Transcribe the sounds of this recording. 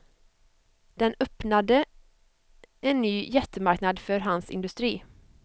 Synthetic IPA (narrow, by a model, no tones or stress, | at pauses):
d̪̥ɛnœpnɑd̪ə | ʔeːnnyːjɛt̪əmɑɾknɑd̪fœɾhɑnsɪ̰nd̪ʉst̪ɾiː